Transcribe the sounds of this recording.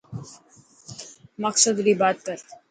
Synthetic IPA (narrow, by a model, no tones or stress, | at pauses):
mɐksəd̪ɾiːbaːt̪̚kəɾ